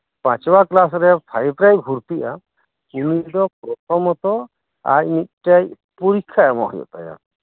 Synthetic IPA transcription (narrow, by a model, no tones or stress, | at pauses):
pãt͡ʃbaklasɾɛpʰajbɾajɡʱuɾpiʔa̰ | kumiɖɔpɾɔt̪ɔmɔt̪ɔ | a̰jmit̪̚ʈaj | puɾikʰːaɛmɔ̰ɦɔjɔ̰t̪a̰ja̰